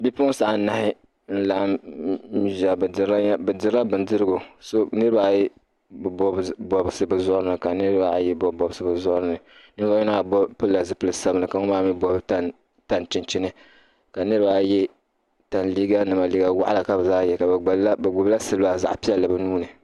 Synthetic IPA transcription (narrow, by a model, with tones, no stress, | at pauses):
bi˦pʊ˦sa˨ʔa˨na˨hɪ˦ | n̩˦la˨ʔa˦m˦˨ | ʒa˨bdbɛ˨dɨ˨ɾla˦bɨ˨ndɨ˦ɾɨ˦ɡo˨so˦nɨ˦ɾɨ˦ba˨jɛ˦ | bbɔ˨bbɔ˨bsɨ˦bɨ˨zʊ˦ʔʊ˦ɾɨ˦nɨ˨ka˨nɨ˦ɾba˦jɛ˦bɔ˨bɔ˨bɨ˦sɨ˦bɨ˨zɔ˦ʔʊ˦ɾɨ˦nɨ˨ | nɨ˦ɾa˦ɛ˦na˦˨bɔ˦pɨ˦lla˨zɨ˨pɨ˦lɨ˨sa˦bɨ˨nɨ˨ka˨ŋʊ˦maː˦mi˦bɔ˨bta˦ | ta˨nt͡ʃɪ˦nt͡ʃɪ˦nɨ˨ | ka˨nɨ˦ɾɨ˦ba˨jɛ˦ | ta˨nliː˦ɡa˦nɨ˨ma˨liː˦ɡa˦wa̰˦ʔa˦la˨ka˨bɛ˨zaː˦jɛ˨ka˨bɛ˨ɡ͡ba˨a˦bɛ˨ɡʊ˨bla˦sɨ˦lɨ˦ba˨za̰˨ʔpi˦ɛ˦lːɨ˨bɛ˦nuː˦nɨ˨